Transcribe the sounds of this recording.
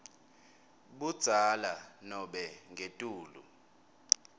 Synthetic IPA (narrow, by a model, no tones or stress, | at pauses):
ɓud̥z̥ʱalanɔɓɛŋʱetʼuːlṵ